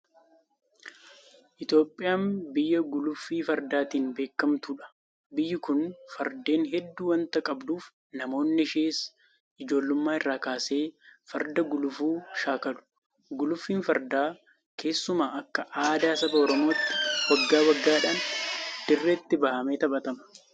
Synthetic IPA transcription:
ʔɪt̪jo̞ːpʼːɪjaːmbɪjːɐɡʊlʊfːiːfɐɾd̪aːt̪iːnbe̞ːkːɐmt̪uːᶑɐ̥ | bɪjːɪkʊnfɐɾd̪e̞ːnɦɛd̪ːuːwɐnt̪ɐkʼɐbd̪uːf | nɐmo̞ːnːɪʃeːs | ɪd͡ʒo̞ːlːʊmːaːɪrːaːkaːse̞ːfɐɾd̪ɐɡʊlʊfuːʃaːkɐlʊ̥ | ɡʊlʊfːiːnfɐɾd̪aː | kʰe̞ːsːʊmaːʔɐkːɐʔaːd̪aːsɐbɐɔɾɔmo̞ːt̪ːɪ̥wɐɡːaːwɐɡːaːᶑaːnd̪̥ɪrːeːt̪ːɪbɐhɐmeːt̪ɐbɐt̪ɐmɐ̥

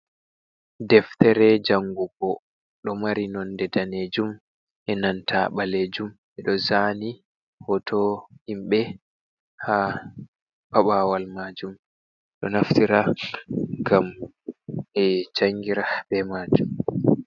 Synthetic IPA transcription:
dɛftɛɾɛd͡ʒaŋɡuɡɔ | ɗɔmaɾinɔndɛdaned͡ʒum | ʔɛnantʰa̰ɓaled͡ʒum | ɛɗɔzani | hɔtʰɔhimɓɛ | ha | paɓawalmad͡ʒum | ɗɔnaftiɾa | ŋɡam | ɛt͡ʃaŋɡiɾabɛmaːd͡ʒum

